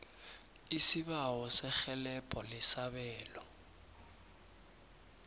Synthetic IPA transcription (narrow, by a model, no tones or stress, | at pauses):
isiβawɔsɛxɛlɛpʼɔlɪsaɓɛːlɔ